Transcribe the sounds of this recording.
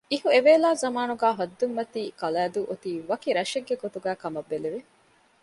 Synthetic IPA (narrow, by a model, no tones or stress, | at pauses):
ihueʋeːlaːzɐmaːnuɡæːɦɐd̪ːumːɐt̪iːkɐlæːd̪uʔut̪iːʋɐkiɾɐʃeɡːeɡot̪uɡæːkɐmɐbːeliʋi